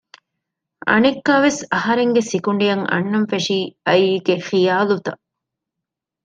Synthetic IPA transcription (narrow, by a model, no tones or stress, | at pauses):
ɐ̰nekːaːʋesɐhɐɾeŋɡesikuɳɖijɐŋɐ̰nːɐnfeʂiːɐiːɡexijaːlut̪ɐ